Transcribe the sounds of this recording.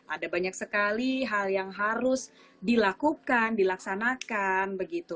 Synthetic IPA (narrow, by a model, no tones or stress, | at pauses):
adabaɲaksəkaliɦaljaŋɦaɾʊs | dilakukandilaksanakanbəɡit̪u